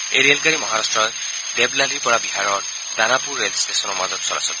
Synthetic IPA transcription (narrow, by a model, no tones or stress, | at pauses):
ejɾelkaɹimɔɦaɹastɹɔj | deblalipɔɹabiɦaɹɔɹ | danapuɹːelstesɔnɔɹmazɔtsɔɹa̰sɔ